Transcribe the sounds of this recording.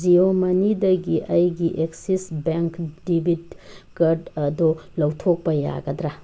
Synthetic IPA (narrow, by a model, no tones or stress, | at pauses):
d͡ʒiomɐnidɐɡiʔɐjɡiʔeksisbeŋkdibʱid̚ɡɐɾdɐdɔlɐwtʰok̚pɐja̰ɡɐdɾa